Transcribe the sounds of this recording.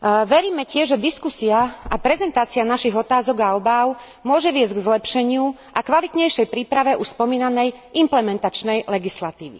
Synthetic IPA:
ʋɛɾiːmɛcɪɛʒʒɛd̪iskusiaapɾɛzɛnt̪aːt͡sianaʃiɣɔt̪aːzɔɡaɔbaʊ | mʊɔʒɛʋɪɛzɟɡzlɛpʃɛɲɪu | ʔakʋalit̪ɲɛjʃɛjpɾiːpɾaʋɛʔuʃspɔmiːnanɛjʔimplɛmɛnt̪at͡ʃnɛjlɛɡislat̪iːʋḭ

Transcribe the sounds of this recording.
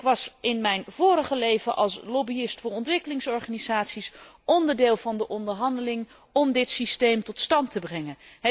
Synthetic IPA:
kʋɑsɪnmɛjnvʊːɾəχəlejvəʔɑ̰lˠslobiɪstfʊːɹrɔntʋɪkəlɪŋsɔɹχanizaːtsisʔɔndəɹdɪːlˠvɑndəʔɔndəɹɦɑndəlɪŋ | ɔmdɪtsistejmtɔtstɑntəbrɛŋə

